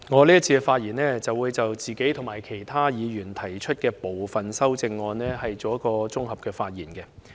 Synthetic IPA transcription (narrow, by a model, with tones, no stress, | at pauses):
ŋɔː˨˧liː˥t̚t͡sʰiː˧ɛ˧faː˧t̚jiː˨˩nlɛː˥t͡sɐ˨wuː˨˧jt͡sɐ˨wt͡siː˨ke˨˥jt̪ʰʊ˨˩ŋmaː˨˩jkʰe˨˩jt̪ʰaː˥jiː˨˧jyː˨˩nt̪ʰɐ˨˩jt͡ʃʰɵ˥t̚kɛː˧po˨wfɐ˨˩nsɐ˥wt͡sɪ˧ŋːɔː˧nɛː˥ɦɐ˨jt͡so˨˧wjɐ˥kːɔː˧t͡sʊ˥ŋhɐ˨p̚kɛː˧faː˧t̚jiː˨˩nkɛ˧